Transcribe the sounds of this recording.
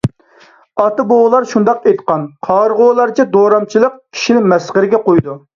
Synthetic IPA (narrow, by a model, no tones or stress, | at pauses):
ɑt̪ɨboʁlˠɑɾʃund̪ɑqejt̪qɑnqʰɑːɾʁolˠɑɾt͡ʃʰɛd̪oɾɑmt͡ʃʰilˠəq̚kʲʰi̥ʃinɪmɛsʁəɾɪɡʲɛqojd̪u